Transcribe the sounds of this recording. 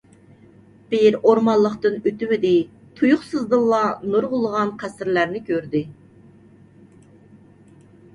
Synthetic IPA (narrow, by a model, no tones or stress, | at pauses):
b̥ɪjɾoɾmɑnlˠːəqt̪ɨnyt̪ywɪd̪ɪ | t̪ʰujʊχsɨzd̪ɨlˠːɑnoɾʁʊlˠəʁɑnqʰæsɪɾlæɾnɪkʲʰøɾd̪ɪ